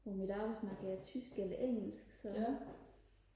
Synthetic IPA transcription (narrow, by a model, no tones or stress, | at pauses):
ʋɒmid̥ɑ̈ːbsnɑ̈ɡ̥əjæt͡sʰysɡ̥elɐʔeŋ̰l̩sɡ̥sɒ̽